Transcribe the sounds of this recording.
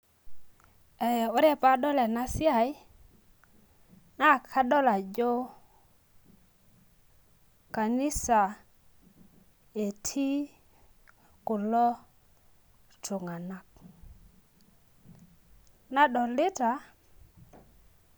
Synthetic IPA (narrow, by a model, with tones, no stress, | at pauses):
e˨jo˦ɾe˦pa˦ɗɔ˦le˨na˦si˦a˦˨j | na˦˨kʰa˦ɗɔ˦la˨d͡ʒo˦ | ka˨ni˦sa˨ | e˨tʰi˦ | kʊ˨lɔ˦ | tu˨ŋa˨na˨k̚ | na˦ɗɔ˨li˦ta˨